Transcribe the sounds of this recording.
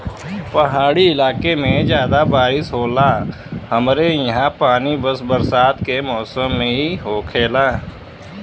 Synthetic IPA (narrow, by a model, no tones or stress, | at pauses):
pɐɦaːɽiɪlaːkemẽd͡ʒjaːd̪abaːɾɪsɦoːla | hɐmɾejɐɦãpaːnibəsbɐɾsaːt̪kemɔːsəmːẽɦiɦoːkʰeːlaː